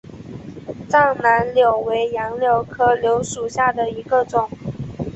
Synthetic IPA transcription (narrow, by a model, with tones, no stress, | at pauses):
t͡sɑ˥˩ŋna˧˥nljo˨˩ʊwe˧˥ɪjɑ˧˥ŋljo˨˩ʊkʰɤ˥ljo˧˥ʊʂu˨˩ɕja˥˩d̪ə˩i˧˥ɡə˧ʈ͡ʂʊ˨˩˦ŋ